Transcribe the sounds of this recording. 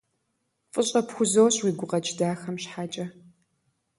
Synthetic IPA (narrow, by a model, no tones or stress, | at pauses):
fʼɨɕʼɐpxʷʊzowɕʼwiːɡʷʊqɐt͡ʃʼdaːxɐmɕħaːt͡ʃʼɐ